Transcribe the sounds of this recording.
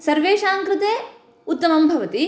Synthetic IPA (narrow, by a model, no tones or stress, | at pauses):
sɐɾʋeːʃaːŋkɾɪt̪eː | ut̪ːɐmɐmbʱɐʋɐt̪i